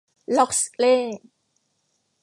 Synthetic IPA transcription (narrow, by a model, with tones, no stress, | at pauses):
lɔ˦˨kskʼle˥˨